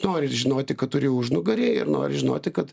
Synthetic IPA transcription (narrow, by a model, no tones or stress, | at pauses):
noːɾʲɪʒʲɪnoːt̪ʲɪkɐt̪̚tʊɾʲɪʊʒnʊɡɐɾʲeːɪ̰rno̰ːɾʲɪʒʲɪnoːt̪ʲɪkɐt̪